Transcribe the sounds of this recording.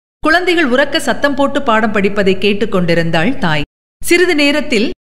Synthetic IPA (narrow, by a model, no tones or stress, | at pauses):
kʊɻɐnd̪ɐɪɣɐɭʊrɐkːɐsɐt̪ːɐmpoːʈːɯpaːɽɐmpɐɽɪpːɐðɐɪkːeːʈːɯkːɔɳɖɪɾɯnd̪aːɭt̪aːj | sɪɾɯðɯneːɾɐt̪ːɪl